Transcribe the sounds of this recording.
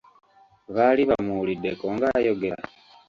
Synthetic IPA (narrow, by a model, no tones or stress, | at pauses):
βaːliβamulidːe̞koŋɡajo̞ɡe̞ɾa